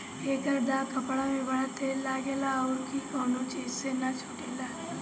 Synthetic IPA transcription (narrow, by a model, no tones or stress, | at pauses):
eːkəɾd̪aːkɐpɽamẽbɐɽ̤at̪ʰelaːɡeːlaɔːɾkikɔːnõt͡ʃiːzsenat͡ʃʰoʈeːlaː